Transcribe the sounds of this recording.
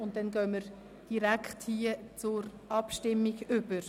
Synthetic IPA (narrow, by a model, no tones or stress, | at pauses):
ʊnt̚dɛnɡœːməɾ | d̥iɾækχthiːət͡sʊɾʔɑpʃtɪmːiɡʏb̥əɾ